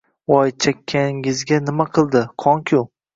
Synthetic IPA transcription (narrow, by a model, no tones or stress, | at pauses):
ɒjt͡ʃʰakʲʰːanɪɪzɡʲanɪmaqʰɨlˠd̪ɪqʰɒŋkʲʰʊ